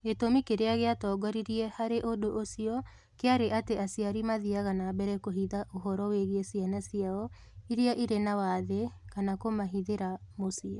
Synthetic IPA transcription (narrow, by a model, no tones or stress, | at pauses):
etomikeɾeaɣeatɔːɡɔɾiɾiɛhaɾeʔodoʔosiɔ | keaɾeʔateasiaɾimaðiaɣanaːbɛɾɛkoɦiðaʔoɦɔɾɔweɣiesianasiaɔ | iɾiaʔiɾenawaðekanakomaɦiðeɾamosia